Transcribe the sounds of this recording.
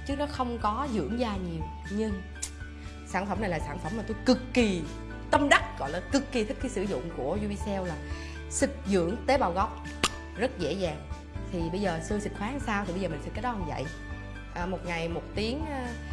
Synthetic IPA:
t͡ɕɨ˦˥k̚nɔ˨˦xə˧wŋ͡mkɔ˨˦zɨ̰˧˥əŋzaː˧ɲi˨˩əw | ɲɨ˧ŋ | saː˧˩nfə˧˩mna˨˩jlaː˨˩saː˧˩nfə˧˩mːa˨˩t̪u˧jkɨ˨˩kːi˨˩ | t̪ə˧mɗa˦˥t̚ɣɔ̰˧˨jlaː˨˩kɨ˨˩kːi˨˩t̪ʰi˦˥k̟̚kiː˨˦sɨ˧˩zʊ̰˧˨ŋ͡mku˧˩əzu˧ɓi˧sɛ˧wlaː˨˩ | sɨ˨˩k̚zɨ̰˧˥əŋt̪e˨˦ɓaː˨˩wɣɔ˦˥wk͡p̚ | zə˦˥t̚zḛ˧˥zaː˨˩ŋ | t̪ʰi˨˩ɓə˧jzəː˨˩sɨ˧jsï˨˩k̟̚xwaː˨˦ŋsaː˧wt̪ʰi˨˩ə˧zəː˨˩mï˨˩sɛ˨˩kaː˨˦˥jɗɔ˨˦hə˨˩ŋ͡mvə̰˧˨j | ʔəː˨˩mo˨˩t̚ŋa˨˩jmo˨˩t̚t̪i˨˦əŋʔ

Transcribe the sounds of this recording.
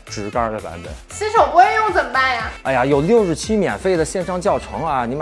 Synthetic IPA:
ʈ͡ʂɻ̩˧˥kɐ˥d̪ə˨pa̰˧˥npə̰˨˩˦nɕi˥ʂʰo˨˩ŋwe˥jʊ˥˩ŋt͡sə˨˩npa˥˩nja˩a̰˥˩a˩jo˨˩ʊljo˥˧ʊʂɻ̩˥˩t͡ɕʰi˥mjɛ̰˨˩nfe˥˩ɪd̪ə˩ɕjɛ˥˧nʂɑ˥ŋt͡ɕjɑ˥˩ʊʈ͡ʂʰɤ̰˧˥ŋɐ˧ni˧˥m˧˦

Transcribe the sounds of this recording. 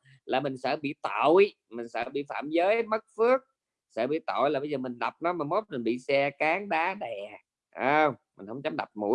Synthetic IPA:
laː˨˩mï˨˩ŋ̟sɛ̰ː˧˥ɓḭ˧˨t̪o˧˨j | mï˨˩ŋ̟sə̰ː˧˥ɓḭ˧˨fa̰ː˧˨mzəː˨˦jmə˦˥t̚fɨ˦˥ək̚ | sɛ̰ː˧˥˩ɓḭ˧˨t̪o̰˧˨jlaː˨˩ɓə˧jzəː˨˩mï˨˩ŋ̟ɗa˨˩wp̚nɔ˨˦maː˨˩mo˦˥t̚mi˨˩nɓḭ˧˨sɛ˧kaː˨˦ŋɗaː˨˦ɗɛ˨˩ | ʔəː˧wmï̟˨˩hə˧˦wŋ͡mt͡ɕa˨˦mɗa̰˨˩p̚mṵ˧˩˥

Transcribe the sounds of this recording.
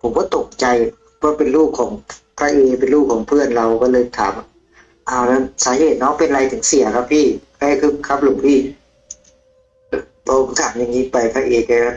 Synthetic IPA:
pʰo˨˩˦kɔː˧˥˩t̪o˨˩k̚t͡ɕa˧j | pʰɔː˧˥˨pe˧˨nluː˥˩p̚kʰːɔː˩˦ŋ | pʰɾaː˧˥ʔeː˧˩pe˨nluː˥˩p̚kʰːɔː˩˦ŋpʰɯ˥˩˨ənla˧wkɔː˥˩˨lɤː˧jt̪ʰaː˩˦m˧˩ | ʔaː˧˩wna˧˩nsaː˨˦ɦeː˨˩t̪̚nɔ˦˥pe˧nla˧jt̪ʰɯ˨˩˦ŋsi˨˩˦ɐkʰa˧˥pʰiː˥˩ | a˧˨˧kʰɯː˧˥˩kʰa˦˥p̚luː˨˩˦ŋpʰiː˧˥˩ | pʰa˧ʔo˧˩˦ŋt̪ʰaː˩˦mja˧˩ŋːiː˧˥˩pa˨˩jpʰɾaː˧˥ʔeː˧˩k̚ːa˧˩kʰa˧˥

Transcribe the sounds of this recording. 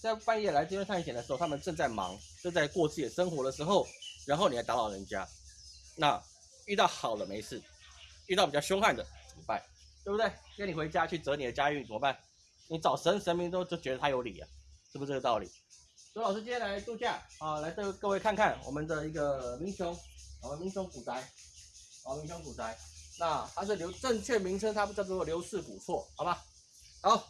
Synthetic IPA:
t͡sa˥˧ɪpa˥njɛ˥˩la˧˥ɪʈ͡ʂɤ˥˧jnʰa˥˩˥jɛ˨˩d̪ə˩ʂɻ̩˧xtʰa˥ə˨nʈ͡ʂə˥˧ŋt͡sa˥˩ɪmɑ̰˧˥ŋʈ͡ʂɤ˥˧t͡sa˥˧ɪkwɔ˥˧t͡s̩ʰ˥˩jɛ˨˩ʂə˥ŋxwɔ˧˥də˧ʂɻ̩˧˥xo˥˩ʊɻa˧nxni˨˩˧ɪt̪a˧˥lɑ˨˩ʊɻə˧˥nt͡ɕja̰˦˥ | na˥˧ | y˥˧t̪ɑ˥˩ʊxɑ˨˩ʊd̪ə˦me˧˥ɪʂɻ̩˥˩ | y˥˧ɑ˥˩ʊpi˨˩t͡ɕɑ˥˧ʊɕjo˥ŋxa˥˩nd̪ə˩t͡ɕi˨˩pa˥˩ɪ | t̪we˥˩bu˨˩t̪we˥˩ɪkə˥ni˨˩we˧˥ɪt͡ɕja˥t͡ɕʰy˥˩t͡sɤ˧˥ni˨˩d̪ə˦t͡ɕja˥y˥˩n˩t͡sə˨mə˦ba˥˩n | ni˧˥t͡sɑ˨˩ʊʂə˧˥nʂə˧˥nmi˧˥ŋt̪o˥ʊt͡ɕo˥˩ʊt͡ɕɥɛ˧˥d̪ə˧t̪ʰa˥jo˧˥ʊlḭ˨˩ɐ̰˩ʂɻ̩˥˩u˧˩˥ɤ˥˩ɡə˩t̪ɑ˥˩ʊlḭ˨˩ | o˧˥lɑ˨ʊʂɻ̩˥t͡ɕi˥nʰjɛ˥la˧˥ɪt̪u˥˧˩ɕt͡ɕja˥˩ɔ˥˩la˧˥ɪkɤ˥˧˥kɤ˥˧we˥˧ɪkʰa˥˧nkʰa˥˩nwɔ̰˨˩mə˦nd̪ə˧i˧˥ɡə˧mi˧˥ŋɕjʊ˧˦ŋwɔ˨˩mə˧nmi˧˥ŋɕjʊ˧˥ŋku˨˩t͡sa˧˥ɪ | ɔ˨˩mi˧˦˥ŋɕjo˧˥ŋku˨˩t͡sa˧˥ɪna˥˧t̪ʰa˥ʂ̬ɻ̩˥˩ljo˧˥ʊʈ͡ʂə˥˧ŋt͡ɕʰɥɛ˥˩mi˧˥ŋʈ͡ʂʰə˥ŋt̪ʰa˥pu˧˩t͡ɕjt͡sɔ˥˩wɔ˥˩ljo˧˥ʊʂɹ̩˥˩kṵ˨˩fʰwɔ˥˩xɑ˨˩ba˧˦ | ha˧˥˦ʊ

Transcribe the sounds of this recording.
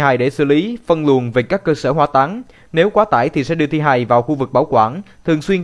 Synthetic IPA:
haː˨˩jɗe˧˩sɨ̰˧˩li˨˦fə˧nlu˨˩ənve˨˩kaː˦˥kːəː˧səː˧˩ɦwaː˧t̪a˨˦n | ne˨˦wkwaː˨˦t̪aː˧˩jt̪ʰi˨˩sɛ̰˧˥ɗɨ˧ət̪ʰi˧ɦaː˨˩jvaː˨˩wxu˧vɨ˨˩k̚ɓaː˧˦wkwaː˧˩nt̪ʰɨ˨˩əŋswi˧ən

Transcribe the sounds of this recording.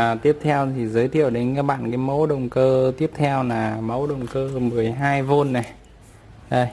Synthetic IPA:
t̪i˦˥əp̚t̪ʰɛ˧wt̪ʰi˨˩zəː˨˦jt̪ʰḭ˧˨əwɗe˨˦nkaː˦˥ɓa̰ː˧˨nkaː˨˦jmə˨˦wɗə˨˩wŋ͡mkəː˧t̪i˦˥əp̚t̪ʰɛ˧wlaː˨˩mə˨˦wɗə˨˩wŋ͡mkəː˧mɨ˨˩əjɦaː˧jvo˧nːa˨˩ | ʔə˧˩j

